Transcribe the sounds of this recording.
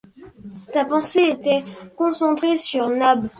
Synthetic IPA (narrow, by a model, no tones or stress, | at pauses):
sapɑ̃seet̪ɛkɔ̃sɑ̃t̪χesyʁnab